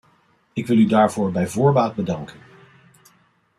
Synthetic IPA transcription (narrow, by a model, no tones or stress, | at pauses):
ɪkʋɪlˠydaːɹvʊːɹbɛjvʊːɹbaːt̚bədɑŋkən